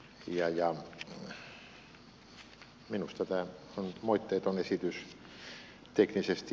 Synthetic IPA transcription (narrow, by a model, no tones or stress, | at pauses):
jɑjɑ | minust̪æt̪æˑ | onmoit̪ːeːt̪onesit̪ys | t̪eknisest̪